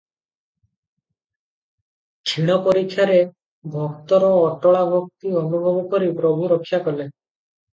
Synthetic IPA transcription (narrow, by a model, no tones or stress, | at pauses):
t͡ʃʰiɽ̃ɔpɔɾikʰːjaɾe | bʱɔkt̪ɔɾɔːʈɔɭabʱɔk̚t̪iɔnubʱɔbɔkɔɾipɾɔbʱuɾɔkʰːjakɔle